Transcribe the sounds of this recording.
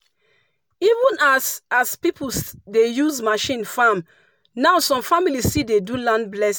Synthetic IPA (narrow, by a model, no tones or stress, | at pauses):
ivə̃nasaspipsdejuzmaʃĩnfam | naʊsɔ̃mfamilisidedulãndblɛs